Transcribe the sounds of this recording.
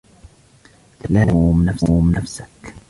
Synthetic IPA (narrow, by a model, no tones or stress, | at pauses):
t̪alauːmnafːmnafsḁk